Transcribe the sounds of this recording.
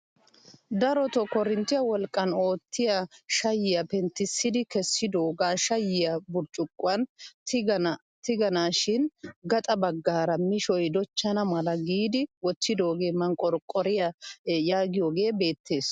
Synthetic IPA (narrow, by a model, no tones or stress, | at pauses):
d̪ɐɾɔt̪ɔkɔɾɪnt̪ːɪjɐwɔlkʼːɐno̞ːt̪ʰːɪjɐʃɐjːɪjɐpɛnt̪ːɪsːɪd̪ɪkɛsːɪd̪oːɡaʃɐjːɪjɐbʊɾt͡ʃʼʊkʼːʊɐnt | t̪ɪɡɐnaːʃɪnɡɐt̪ʼɐbɐɡːaːɾɐmɪʃɔjd̪ɔt͡ʃːɐnɐmɐlɐɡiːd̪ɪwɔt͡ʃːɪd̪o̞ːɡe̞ːmɐŋkʼɔɾkʼɔɾɪjɐjaːɡɪjoːɡe̞ːbe̞ːt̪ʰːe̞ːs